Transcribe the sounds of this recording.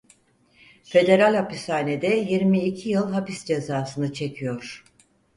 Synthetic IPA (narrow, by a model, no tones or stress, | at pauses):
fe̞d̪e̞ɾalʲhapisaːned̪ɛjiɾmiːcʰijɯlˠɦapisd͡ʒe̞zaːsɯnɯt͡ʃʰe̞cʰijo̞ɾ̥